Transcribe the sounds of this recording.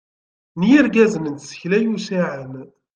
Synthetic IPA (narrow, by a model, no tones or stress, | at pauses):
nijəɾɡæzənənt̪sə̥çlæjusiʕən